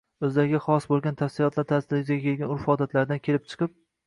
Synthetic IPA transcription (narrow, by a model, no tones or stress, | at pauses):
ɵzd̪aɡʲɪχɒsbolˠɡʲant̪ʰafsɪlˠɒt̪ʰlaɾt̪ʰasd̪ɪɾɪzɪɡʲakʲʰe̞lɡʲanʊɾfɒd̪at̪ʰlaɾd̪ankʲʰe̞lɪp̚t͡ʃʰɨ̥qɨp̚